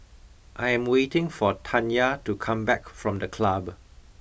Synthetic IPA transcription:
ʔajɛ̃mwetɪ̃ŋfɔtʰãnjatukʰãmbɛkfɹɔ̃mdəkʰlab

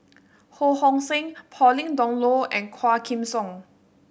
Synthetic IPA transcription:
hohɔ̃ŋsẽŋpʰɔlĩŋdɔ̃ŋloɛ̃nkʰwakʰĩmsɔ̃ŋ

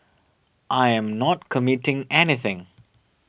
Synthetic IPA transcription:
ʔajɛ̃mnɔtkʰəmɪtɪ̃ŋɛniθɪ̃ŋ

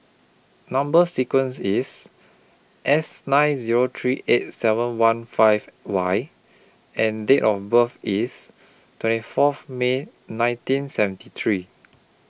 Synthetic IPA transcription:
nãmbəsikwə̃nsis | ʔɛsnãɪnziɹot̪ʰɹiʔet̚sɛvə̃nwãnfaɪvwaj | ɛ̃ndetɔfbəfis | twɛ̃ntifɔfme | nãɪ̃ntĩnsɛvə̃ntit̪ʰɹi

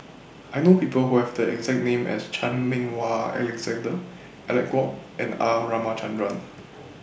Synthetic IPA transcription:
ʔajnopipəlhuhɛvdəɛ̰ɡzɛk̚nẽmɛ̰st͡ʃʰãnmɪ̃ŋwaɛ̰lɛkzɛ̃ndə | ʔɛlɛkwɔpʔɛ̃naɹamat͡ʃãndɹãn

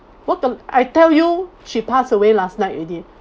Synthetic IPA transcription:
wɔt̚kəa̰jtɛljuʃipasəwelasnaɪtadi

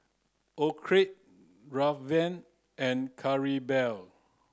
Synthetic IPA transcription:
ɔkʰɹit̚ | ɹafvɛ̃n | ɛ̃nkʰaɹibɛl

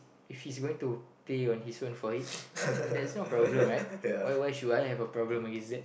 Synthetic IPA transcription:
ifhisɡoĩŋtupeɔ̃nhisfõnfɔit̚dɛsnopɹɔblə̃mɹaɪtwajwaɪʃudajɦɛvəpɹɔblə̃məɡẽnsdɛt

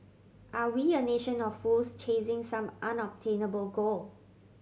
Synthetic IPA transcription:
ʔawiəneʃə̃nɔffːulst͡ʃʰẽsɪ̃ŋsãmʔãnɔb̚tʰẽnəbəlɡol

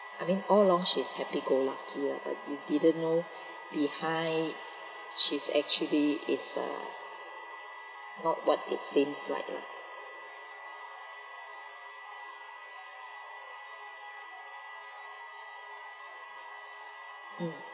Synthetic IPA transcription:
ʔajmĩnɔllɔ̃ŋʃishɛpiɡolakʰilaba̰t̚judidə̃nːo | bihãɪ | ʃisɛ̰k̚t͡ʃuliʔɪ̰sʌ̰ | nɔt̚wɔt̚ɪ̰tsĩmsla̰ɪkla̰k̚

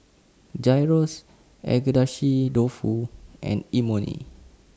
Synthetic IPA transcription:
d͡ʒajɹos | ʔɛ̰ɡədaʃidofuʔɛ̰̃nimonḭ

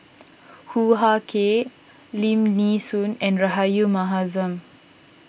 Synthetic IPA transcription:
huɦakʰe | limnisunɛ̃nɾaɦajumaɦazɐm

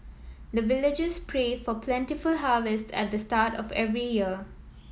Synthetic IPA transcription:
d̪əvɪlɪd͡ʒɪspʰɹeːfɔpʰlɛ̃ntifʊlɦavɛstɛ̰t̚d̪əstaːtɔfɛ̰vɹijiə

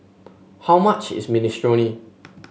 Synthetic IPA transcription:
hawmat͡ʃɪ̰sministɹɔni

